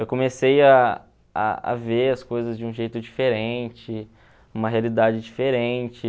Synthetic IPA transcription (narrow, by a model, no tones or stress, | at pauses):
ewkõmeseja | a̰a̰veɐskojzɐzd͡ʒɪũʒejt̪ʊd͡ʒifeɾẽnt͡ʃɪ | ũmɐɦealid̪ad͡ʒɪd͡ʒifeɾẽnt͡ʃɪ